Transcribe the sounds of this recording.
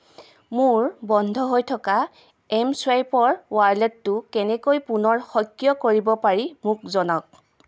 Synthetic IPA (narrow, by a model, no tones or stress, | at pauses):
mʊɹbɔndʱɔɦojtʰɔka | ɛmswajpɔɹwaɹlɛtːʊkɛnɛkojpunɔɹxɔjkːjɔkoɹibɔpaɹimʊk̚zɔnɔk̚